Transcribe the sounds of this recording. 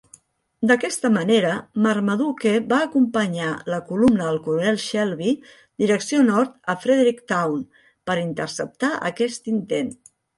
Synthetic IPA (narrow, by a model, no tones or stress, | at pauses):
d̪əkɛst̪əməneɾəməɾməðukeβaːkumpəɲaləkulumnəðəlˠkuɾunɛlˠʃɛlˠβi | d̪iɾəksionɔɾt̪əfɾeðeɾikt̪awn | pəɾint̪ərsəp̚t̪aʔə̰kɛst̪int̪en